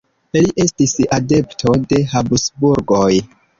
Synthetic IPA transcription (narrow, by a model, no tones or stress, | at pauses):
iliʔe̞stisade̞ptʰo̞de̞ɦabusbuɾɡo̞j